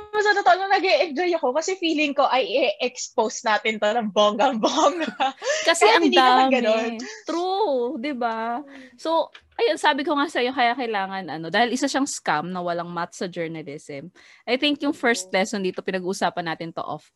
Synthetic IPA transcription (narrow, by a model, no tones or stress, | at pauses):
mɐsanot̪aʔonɐŋnɐɡɛʔɛnd͡ʒojɐko̞kɐsɛfiːlɪŋko̞ʔɐjʔɪʔɛksposnaːt̪ɪnt̪onɐŋboːŋɡɐŋboŋɡɐkɐsɛʔɐŋd̪iaːmɡɐont̪ɾud̪ɪbaso̞wʔɐjo̞nsaːbɪko̞ŋasɐjo̞kɐjakɐjlaːŋɐnʔɐno̞d̪aːhɪlʔɪsaʃɐŋskamnɐwɐlaŋmat̪̚sɐd͡ʒɛɹnɐlɪsɛm | ʔɐjθɪŋkjʊŋfɛɹst̪̚lɛsond̪iːt̪o̞pɪnɐɡuːʔʊsaːpɐnːaːt̪ɪnt̪o̰ʔo̰f